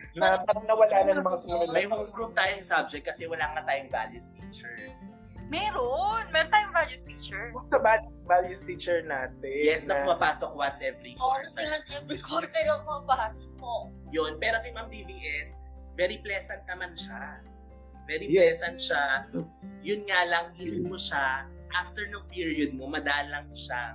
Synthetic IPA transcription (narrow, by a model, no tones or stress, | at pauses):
nɐpaɾɐŋnɐwɐlaːnɐnɐŋmɐŋasɐɐɐmɐjhoŋɡɾumt̪aːjoŋsab̚d͡ʒɛk̚t̪̚kːɐsɛwɐlaːŋɐt̪aːjʊŋva̰ljust̪iːt͡ʃɛɹ | mɛːɾonmɛɾont̪aːjʊŋvaljust̪it͡ʃɛɹʊsɐbalŋvaljust̪iːt͡ʃɛɹnaːt̪ɛjɛsnɐmɐpaːsokwɐt̪sʔɛvɾikoɹsɐlɐŋʔɛvɾikʰoɾkɐjomɐbɐaspo | jonpɛːɾosimamd̪ibiʔɛs | vɛːɾiplɛsɐnt̪̚nɐmanʃa | vɛːɾiplɛːsɐnt̪̚ʃa | jʊnŋalɐŋhɪlɪmoʃa | ʔaft̪ɛɹnʊŋpiɹiod̪̚momɐd̪aːlɐŋʃa